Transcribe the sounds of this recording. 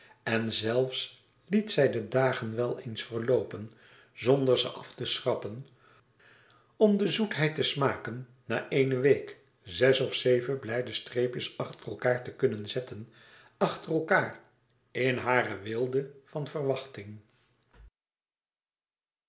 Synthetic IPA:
ɛnzɛlˠfs | litsɛjdədaːχənʋɛlˠejnsfəɹlowpən | zɔndəɹzə̰ʔɑftəsrɑpən | ɔmdəzutɦɛjtəsmaːkənː | aːʔejnəʋejk | zɛsɔfsejvəblɛjdəstreːpjəsɑχtərəlˠkaːɹtəkɵnənzɛtən | ɑχtərɛlˠkaːr | ɪnɦaːrəʋɪlˠdəv̥ɑnvərʋɑχtɪŋ

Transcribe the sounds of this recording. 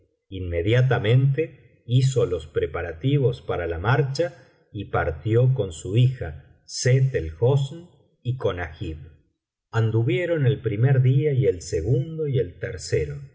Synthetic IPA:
inme̞ðjat̪̬amẽ̞nt̪e | is̬o̞lo̞spɾe̞paɾat̪iβo̞spaɾalamaɾt͡ʃa | ipaɾt̪jo̞ko̞nsuixa | set̪elxosn | iko̞naxiβ | and̪uβje̞ɾo̞ne̞lpɾimeɾðiaie̞lseɣund̪o̞ie̞lt̪eɾse̞ɾo

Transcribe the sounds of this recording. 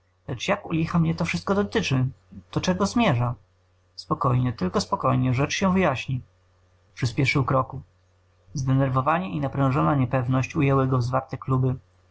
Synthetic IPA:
lɛt͡ʂjakulʲixamɲɛt̪ɔfʂɘst̪̚kɔd̪ɔt̪ɘt͡ʂɘd̪̥ɔt͡ʂɛɡɔzmʲjɛʐa | spɔkɔjɲɛt̪ɘlkɔspɔkɔjɲɛʐɛt͡ʂɕɛvɘjaɕɲi | pʂɘspʲjɛʂɘwkɾɔku | zd̪ɛnɛɾvɔvaɲɛʔinapɾɛ̃w̃ʐɔnaɲɛpɛvnɔɕt͡ɕujɛwɘɡɔvzvaɾt̪ɛklubɘ

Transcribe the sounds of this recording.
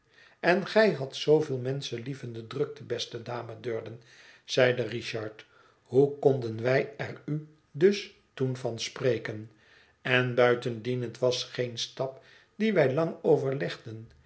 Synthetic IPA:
ɛnχɛjɦɑtsowvɪːlˠmɛnsəlivəndədrɵk̚təbɛstədaːmədøːɹdən | z̥ɛjdəriʃɑɹt | ɦukɔndənʋɛjɛry | dɵs | tunvɑnsprejkən | ɛnbœɥtəndinətʋɑsχejnstɑp | diʋɛjlɑŋowvəɹlɛχdən

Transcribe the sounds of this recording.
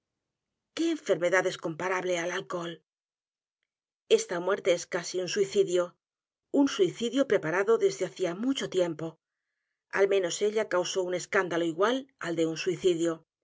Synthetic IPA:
ke̞ːɱfe̞ɾme̞ðaðe̞sko̞mpaɾaβle̞alalko̞l | e̞st̪amwe̞ɾt̪e̞eskasiunsuiθiðjo̞ | unsuiθiðjo̞pɾe̞paɾaðo̞ðe̞zðeaθiamut͡ʃo̞t̪je̞mpo̞ | a̰lmẽ̞no̞se̞ʎakawso̞une̞skand̪alo̞iɣwalald̪e̞unsuiθiðjo

